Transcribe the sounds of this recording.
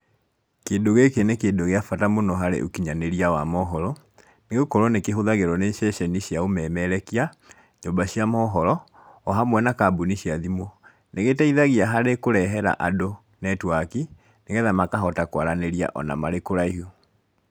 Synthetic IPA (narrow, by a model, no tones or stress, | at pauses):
keːndoɣekenekeːndoɣeafatamonɔɦaɾḛʔokiɲaneɾiawamɔɦɔɾɔ | neɣokɔɾwɔnekeɦoðaɣeɾɔneʃɛʃɛniɕjaomɛːmɛɾɛkia | ɲombaɕiamɔɦɔɾɔː | ɦamwɛnakaboniɕiaðimo | neɣetɛiðaɣiaɦaɾekoɾɛɦɛɾa̰ʔado | nɛtwaki | neɣɛðamakaɦɔtakwaɾaneɾia̰ʔɔ̰na̰maɾekoɾaiɦo